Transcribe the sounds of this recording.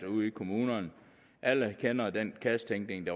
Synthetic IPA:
uð̰ˠikʰo̝muːnɐn | ʔæləkʰenɐd̥enkʰæst͡sʰeŋɡ̥ne̝ŋd̥ɑ̈

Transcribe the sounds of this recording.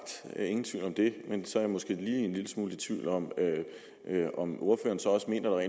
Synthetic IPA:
ɡ̥d̥e̝ŋn̩t͡sʰḭʊlɒ̽md̥e̝mensɒ̽æɐjamosɡ̥e̝̰ːliːenliləsmuːlit͡sʰʋḭʊlɒ̽m | ɒ̽mʔo̝ɐfø̰ːɐːnsɒ̽ɒ̽səme̝̰ːnɐd̥ɑ̈ʁɛ̰

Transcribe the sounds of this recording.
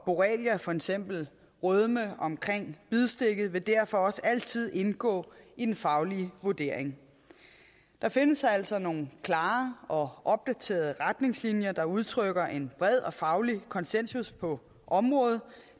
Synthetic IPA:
b̥o̝ʁɛ̰ːljæfɒ̽eɡ̥sem̰b̥l̩ | ʁœð̞ˠməɒ̽mkʰʁeŋ̰b̥ið̞ˠsd̥e̝ɡ̥ð̩ˠʋe̝d̥æɐfɒ̽ɒ̽səæl̰t͡sʰið̞̰ˠe̝nɡ̥ɔ̰̽ːid̥enfɑ̈ʊliəʋuɐd̥e̝ɐ̰eŋ | d̥ɑ̈fe̝nəsæl̰sɒ̽no̝ːn̩kʰlɑ̈ːʔɒ̽ʔɒ̽b̥̚d̥æt͡sʰe̝̰ːɐð̞ˠəʁad̥ne̝ŋslinjɐd̥ɑ̈uð̞ˠt͡sʰʁœɡ̥ɐʔe̝nb̥ʁɛð̰ˠɒ̽fɑ̈ʊlikʰɒ̽nsen̰suspʰɒ̽ | ʔɒ̽mʁɔ̽ːð̞̩ˠ

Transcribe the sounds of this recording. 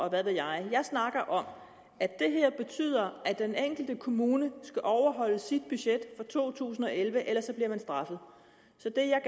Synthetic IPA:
ɒ̽ʋæðˠʋejɑ̈ɪjɑ̈ɪsnɑ̈ɡ̥ɐʔɒ̽m | æd̥e̝ɦeɐ̰b̥e̝t͡sʰy̰ːð̞̰ˠɐæd̥eneŋ̰ɡ̥l̩d̥əkʰo̝muːnəsɡ̥æʔɒʊɐɦɒ̽l̰əsid̥̚b̥yɕed̥fɒ̽t͡sʰo̝̰ːt͡sʰṵːsn̩ɒ̽elʋəʔelɐsɒ̽b̥liɐmænsd̥ʁɑ̈fð̩ˠ | sɒ̽d̥e̝jɑ̈ɪ

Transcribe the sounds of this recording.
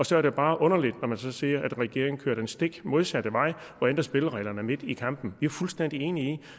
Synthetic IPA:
ɒ̽sɒ̽æɐɾ̥eb̥ɑ̈ːʔɔ̽nɐlid̥nɒmænsɒ̽siːɐʔæd̥ʁɛɡ̥e̝ɐeŋ̩kʰø̰ɐ̰ɾ̥ɐensd̥e̝ɡ̥mo̝ð̞ˠsæd̥əʋɑ̈ɪ̰ | ʋɒend̥ɐsb̥e̝ləʁɛɪlɐnəæɐme̝d̥ikʰɑ̈m̰b̥n̩ʋiæɐfulsd̥en̰d̥ie̝ːnii

